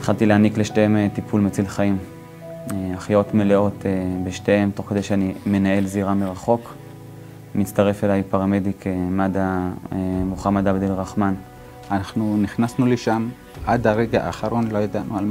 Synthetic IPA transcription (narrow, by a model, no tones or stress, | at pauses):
et̪χalt̪ileanikleʃteemet̪ipʰulmet͡silχaim | eaχjo̞t̪meleo̞tebeʃteemt̪o̞χke̞d̪ejʃeanime̞nae̞lziʁameʁaχo̞k | mit͡staʁe̞felajpaʁamedikʰemada | muχamad̪abd̪elʁaχman | anaχnuniχnasnuleʃam | ʔad̪aʁeɡaʔaχaɾo̞nlojod̪anualm